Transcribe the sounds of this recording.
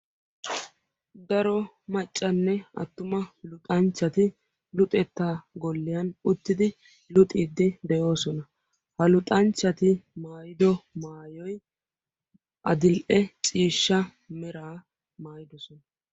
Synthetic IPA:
d̪ɐɾɔ | mɐt͡ʃʼːɐnːɛɐ̰t̪ːʊmɐlʊt̪ʼɐnt͡ʃːɐt̪ɪ | lʊt̪ʼɛt̪ːaːɡɔlːɪjɐnʊt̪ːɪd̪ɪ | lʊt̪ʼiːd̪ːɪd̪ɛjo̞ːsɔnɐ | hɐlʊt̪ʼɐnt͡ʃːɐt̪ɪmaːjɪd̪ɔmaːjɔj | ʔɐd̪ɪlʔɛt͡sʼiːʃːɐ | mɛɾaː | maːjɪd̪ɔsɔnɐ

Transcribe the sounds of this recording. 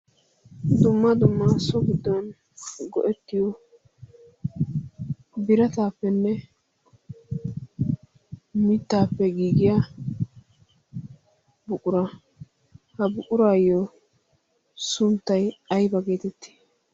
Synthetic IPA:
d̪ʊmːɐd̪ʊmːasɔɡɪd̪ːɔn | ɡɔ̰ʔɛt̪ːɪjɔ | bɪɾɐt̪aːpːɛnːɛ | mɪt̪ːaːpːɛɡiːɡɪja | bʊkʼʊɾɐ | hɐbʊkʼʊɾaːjo | sʊnt̪ːɐjɐjbɐɡe̞ːt̪ɛt̪ːi̥

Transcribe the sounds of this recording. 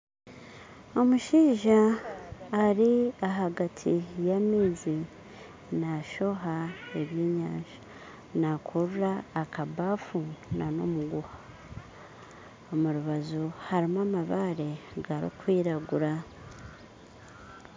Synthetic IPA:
o̞muʃiːʒaː | ɾiaɦaɡatʰijamiːzi | naʃo̞ɦae̞βjiːɲaːʒa | nakʰuɾuɾaːkabaːfunano̰muɡuha | omuɾuβazuhaɾimaːmaβaːɾe̞ɡaɾḭkwiːɾaɡuɾa

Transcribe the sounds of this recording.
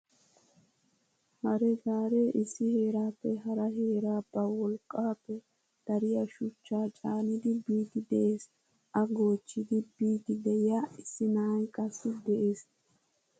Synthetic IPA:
hɐɾɛɡaːɾe̞ːʔɪsːɪhe̞ːɾaːpːɛɦɐɾɐɦe̞ːɾaːbːɐwɔlkʼːaːpːɛ | d̪̥ɐɾɪjɐʃʊt͡ʃːaːt͡ʃʼaːnɪd̪ɪbiːd̪ɪd̪ɛʔeːs | ʔɐɡo̞ːt͡ʃːɪd̪ɪbiːd̪ɪd̪ɛjaːɪsːɪnaːjkʼɐsːɪd̪ɛʔeːs

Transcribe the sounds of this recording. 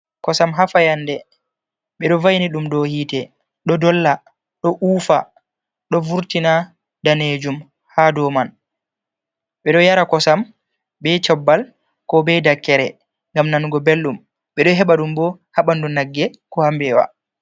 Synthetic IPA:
kɔsamɦafajandɛ | ɓɛɗɔvajniɗumdɔhiːtɛ | ɗɔdɔlːa | ɗɔʔuːfa̰ | ɗɔvuɾtina | daned͡ʒum | hadɔman | ɓɛɗɔjaɾakɔsam | bɛt͡ʃɔbːal | kɔbɛdakːɛɾɛ | ŋɡamnanɡɔbelːum | ɓɛɗɔɦɛɓaɗumbɔhaɓandunaɡːɛ | kɔhambɛwa̰

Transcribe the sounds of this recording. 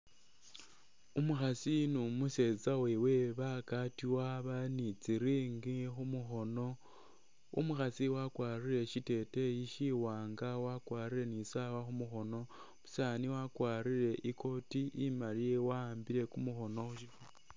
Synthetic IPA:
umuxasinumuse̞zawewe̞βakatiwaβanit͡siɾiːŋɡixumuxo̞no̞ | ṵmuxasiwakwaːriɾe̞ʃite̞te̞jiʃiwaːŋɡawakwaːɾiɾe̞nisaːwaxumuxo̞no̞ | mu̥saːniwakwaːɾiɾe̞ʔikʰo̞tiʔimalijewaaːmbiɾe̞kumuxo̞no̞xuʃifu

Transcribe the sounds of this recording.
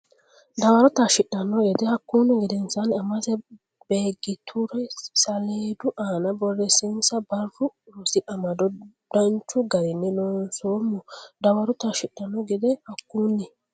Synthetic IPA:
d̪ɐwɐɾɔt̪aːʃɪɗːɐnːɔɡɛd̪ɛhɐkːuːnːɛɡɛd̪ɛnsanɪɐmɐsɛ | beːɡːɪt̪ʰʊɾɛsɐleːd̪ʊʔaːnɐbɔrːɛsɪnsɐbɐrːʊsɪʔɐmɐd̪ɔ | d̪̥ɐnt͡ʃːʊɡɐɾɪnːɛnoːnsoːmːɔd̪ɐwɐɾɔt̪aʃɪɗːɐnːɔɡɛd̪ɛhɐkːuːnːɪ

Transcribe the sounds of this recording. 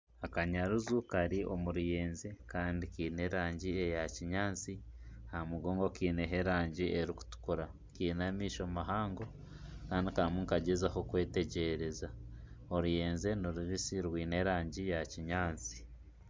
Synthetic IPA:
akaɲaɾuzukaɾiʔomuɾuje̞ːnzekaːndikiːne̞ːɾaːɲɟiejaciɲaːnt͡si | hamuɡoːŋɡo̞kiːneɦe̞ɾaːɲɟiʔeɾiku̥tu̥kuɾa | kiːnamiːʃomaɦaːŋɡo̞ | kaːndikaɾmuːŋkaɟezahokwe̞ːte̞ɟeɾe̞za | oɾuje̞ːnze̞noɾuβisiɾwiːne̞ːɾaːɲɟijaciɲaːnt͡si̥

